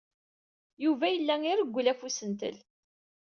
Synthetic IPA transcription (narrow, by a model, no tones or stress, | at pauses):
juvæjəlːæŋiɾəɡʷːlæfusənt̪ə̰l